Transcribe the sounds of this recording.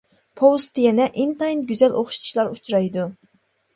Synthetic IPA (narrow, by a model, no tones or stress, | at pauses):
pʰowst̪ːɨjɛnɛʔint̪ɑjinɡʲyzɛlʔoχʃt̪ʰu̥ʃlˠɑɾut͡ʃʰɾɑjd̪u